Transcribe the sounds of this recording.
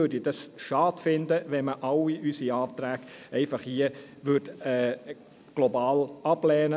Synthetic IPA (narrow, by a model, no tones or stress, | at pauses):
øɾdid̥ɑsʃɑːdfɪnd̪əʋɛnməʔɑwiʔysiɑːt̪ɾæːɡ̥ɛɪfɑχiə | ʋʏtɛː | ɡ̥lɔbɑːlɑb̥lɛːnə